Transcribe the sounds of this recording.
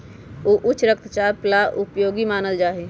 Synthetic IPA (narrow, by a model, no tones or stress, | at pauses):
oːʔʊt͡ʃʰːɾəkt̪ʰt͡ʃaːɾplaʔʊpjoːɡimaːnəld͡ʒaːɦe